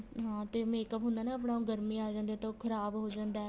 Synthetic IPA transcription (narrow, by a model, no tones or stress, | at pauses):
ɦãːt̪eːmẽːkəpɦʊ̃nd̪aːnaːəp̬ɳaːũːɡəɾmĩːaːd͡ʒãːnd̪eːt̪õːkʰəɾaːbɦoːd͡ʒãːnd̪aɛ